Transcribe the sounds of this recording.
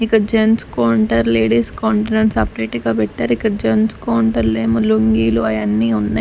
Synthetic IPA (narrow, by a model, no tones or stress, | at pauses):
ikɐd͡ʒenskaːɳʈɐɾleːɽiːskaːɳʈɐɾɐɳsɐpɾeːʈɡaːpɛʈːaːɾikːɐd͡ʒenskɐwɳʈɐɾleːmuluŋɡiːluɐjɐnːiːunːa